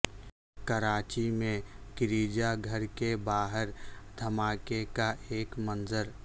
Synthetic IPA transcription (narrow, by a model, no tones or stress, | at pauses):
kəɾaːt͡ʃimẽkɪɾiːd͡ʒaɡʱəɾkebaːɦəɾd̪ʱəmaːkekaʔeːkmənzəɾ